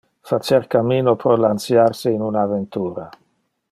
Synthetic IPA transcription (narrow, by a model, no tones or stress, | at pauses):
fat͡ʃɛɾkamiːnopɾɔlant̪sjaɾseinunavent̪uːɾa